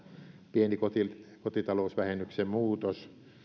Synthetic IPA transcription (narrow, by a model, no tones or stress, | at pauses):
pienikot̪ikot̪it̪ɑlousʋæhenːyksemmuːt̪os